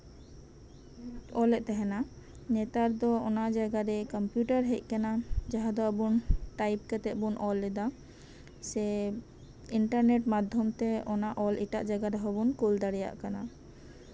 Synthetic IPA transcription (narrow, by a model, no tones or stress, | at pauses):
ɔlɛt̪ɛɦɛna | nɛt̪aɾd̪ɔɔnaʔd͡ʒaɡaɾɛkɔmpjuʈaɾɦec̚ˀkanad͡ʒaɦad̪ɔəbunʈajp̚kɛt̪ɛʔbunʔɔlːɛd̪a | sɛ | iɳʈaɾneʈmad̪ʱːɔmt̪ɛɔnaʔɔlʔiʈa̰ʔd͡ʒaɡaɾɛɦɔbunkuld̪aɽija̰ʔkana